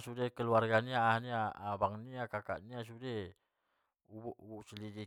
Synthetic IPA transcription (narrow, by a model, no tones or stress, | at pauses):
sudekəluarɡaniaːniabaŋniakaka̰ʔnias̬ude | ubuʔubuʔsəlidi